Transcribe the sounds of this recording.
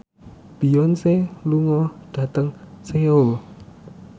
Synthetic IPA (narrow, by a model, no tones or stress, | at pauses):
b̥i̤ɔnseluŋɔɖ̪̥ä̤t̪əŋseul